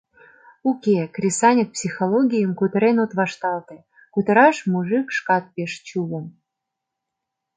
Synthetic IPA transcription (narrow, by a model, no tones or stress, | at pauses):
ukekrʲisɑnʲək̚psʲixoloɡʲijəmkut̪ɾenot̪βɑʃt̪ɑlt̪ĕ | kut̪əɾɑʃmuʒɨkʃkɑt̪̚peʃt͡ɕulə̆m